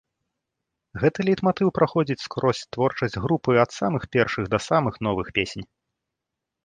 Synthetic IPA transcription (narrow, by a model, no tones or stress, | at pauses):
ɣɛt̪ɨlʲit̪mat̪ɨwpɾʔaxɔd͡zʲit͡sʲskɾɔsʲt̪vɔrt͡ʂɐsʲd͡zʲɣɾupɨɐt̪samɨxpʲɛrʂɨɣd̪ɐsamɨxn̪ɔvɨxpʲesʲnʲ